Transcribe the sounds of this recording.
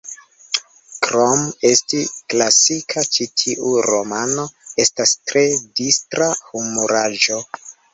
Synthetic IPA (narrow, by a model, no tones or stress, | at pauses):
kɾome̞stiklasikʰat͡ʃitʰiʔuɾo̞̰mano̞e̞stastɾe̞distɾahumuɾaʒo̞